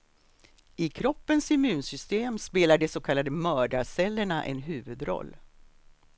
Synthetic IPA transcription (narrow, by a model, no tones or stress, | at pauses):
ɪkʰɾɔpːənsɪmʉ̟ːnsʏst̪eːmspeːlaɖɛsoːkʰalːad̪əmœːɖasɛlːəɳaʔɛ̰nɦʉ̟ːvɵd̪ɾɔ̰lː